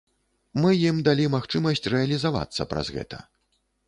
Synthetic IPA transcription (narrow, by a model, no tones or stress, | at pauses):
mɨjimd̪alʲimaxt͡ʂɨmɐsʲt͡sʲrɛɐlʲizava̰t̪sːɐ̰pɾa̰zɣɛ̰t̪ɐ̰